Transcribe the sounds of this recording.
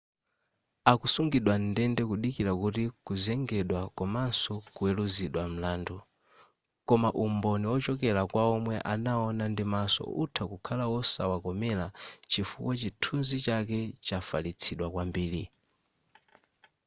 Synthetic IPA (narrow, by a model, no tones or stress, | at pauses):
akusuŋɡiɗwandɛndɛkuɗikiɾakutikuzɛŋɡɛɗwakɔmansɔkuwɛluziɗwam̩laːndu | kɔmaʔumbɔniwɔt͡ʃɔkɛlakwaɔmwɛʔanaɔnandimasɔ̰ṵtʰakukʰalawɔsawakɔmɛlat͡ʃifṵkwat͡ʃitʰunzit͡ʃak̬ɛt͡ʃafalit͡sʰiɗwakwambiːɾi